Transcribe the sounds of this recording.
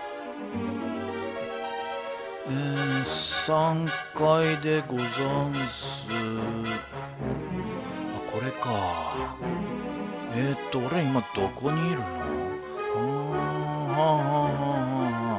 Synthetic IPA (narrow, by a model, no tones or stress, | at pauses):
ɯ̃ | esãŋkaid̪e̞ɡozaɰ̃s | ɨ | akʰo̞ɾe̞ka | et̪ːo̞ːɾeimad̪̥o̞ko̞ɲ̟iːɾɯ̟na | ɦãɦãɦãɦãɦã